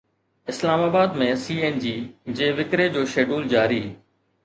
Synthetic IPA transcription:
ɪslaːmaːbaːd̪mẽːsiːeːnd͡ʑiːd͡ʑeːʋɪkɾed͡ʑoːʃeːɖuːld͡ʑaːɾiː

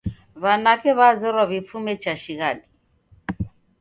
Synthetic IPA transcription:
βanakɛβazɛɾwaβip̪fumɛt͡ʃaʃiɣaɗi

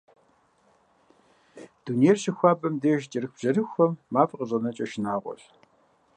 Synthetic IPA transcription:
d̥unejrɕɪxʷaːbɐmdeːʒt͡ʃʼɪɾɨxb̥ʑ̥ɐrɨxʷɐmːaːfʼqəʑʼɐnɐt͡ʃʼɐʃɪnaːʁʷɔ̰ɬ

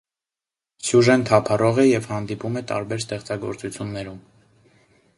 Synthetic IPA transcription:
sjuʒɛnt̪ʰɑpʰɑrɔʁɛjɛvhɑnd̪ipumɛt̪ɑ̰ɾbɛɾst̪ɛχt͡sɑɡɔ̰ɾt͡sut͡sʰjunːɛɾum

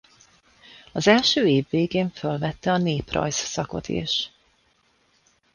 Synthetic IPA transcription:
ɒzɛlʃøːeːvːeːɡeːɱfølvɛt̪ːɛɒneːprɒ̰jssɒko̞̰t̪ḛʃ

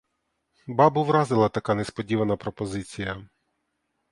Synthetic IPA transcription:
bɑbʊʋɾɑzɪlˠɐt̪ɐkɑnespɔdʲiʋɐnɐpɾɔpɔzɪt͡sʲijɐ

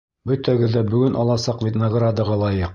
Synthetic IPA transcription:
bɵt̪æɡɘ̆ðːæbɵ̆ɡɵnʔɑlˠɑsɑqvʲet̪nɐɡrad̪əʁɑlˠɑjɤq

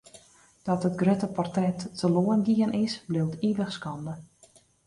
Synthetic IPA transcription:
d̥ɔtət̚ɡrøtəpɔrtrɛtːʰəloənɡiənʔɪsblɪwtʰiʋəxskɔndə

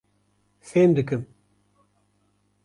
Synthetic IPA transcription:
feːmd̪ɨkɨm

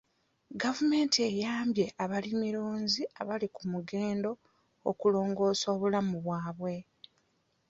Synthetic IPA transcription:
ɡavume̞ːntie̞jaːmbje̞ʔaβalimiɾoːnziaβalikumuɡe̞ːndo̞ | o̰kulo̞ːŋɡo̞ːso̞ːβulamuβwaːβwe̞

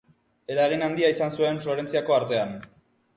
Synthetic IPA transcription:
e̞ɾaeɣ̞inand̪iaisansue̞ɱflo̞ɾe̞nt͡siako̞aɾt̪e̞an

